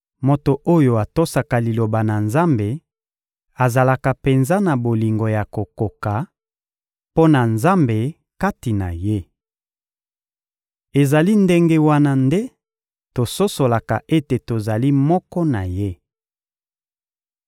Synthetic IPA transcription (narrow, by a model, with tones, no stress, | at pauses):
mo˨to˨ʔo˦jo˨a˨to˦sa˨ka˨li˨lo˨ba˨na˨nza˦mbe˨ | a˨za˨la˨ka˨pe˨nza˦na˨bo˨li˨ŋɡo˨ja˨ko˨ko˨ka˨ | po˦na˨nza˦mbe˨ | ka˦ti˨na̰˨je˦ | e˨za˨li˦nde˦ŋɡe˦wa˦na˦nde˦ | to˨so˦so˨la˨ka˨ʔe˦te˨to˨za˨li˦mɔ˦kɔ˦na˨je˦